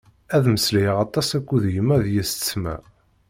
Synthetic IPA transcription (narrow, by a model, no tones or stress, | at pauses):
æðməslijʁɑt̪ˤɑsækʷːuðjəmːæðjist͡sːmæ̰